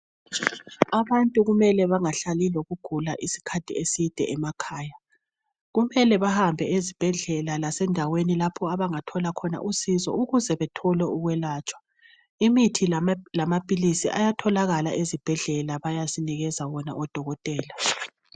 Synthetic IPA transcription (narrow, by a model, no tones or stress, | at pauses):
aβantʼuɣumɛlɛβaŋaɬaliloɣuɡ̥ʱulaʔisi̥kʰatʰiesid̥ʱɛ̰ɛmakʰaːja | ɣumɛlɛβahambʱɛʔezib̥ʱɛɮɛlalasɛndʱawenilapʰɔaβaŋatʰɔlakʰɔna̰ʔusizɔ̰uɣuzɛβɛtʰɔlɛuɣwɛlaːt͡ʃʼwḁ | imitʰilamapʼilisḭʔajatʰɔlaɣala̰ʔezib̥ʱɛɮɛlaβajasiniɣɛzawɔna̰ɔd̥ʱɔɣɔtʼɛːla